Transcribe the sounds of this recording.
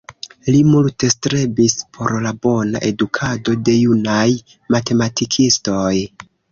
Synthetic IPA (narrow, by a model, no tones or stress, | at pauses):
limulte̞stɾe̞bispʰo̞ɾlabo̞na̰ʔe̞dukʰado̞de̞junaj | mate̞matikʰisto̞j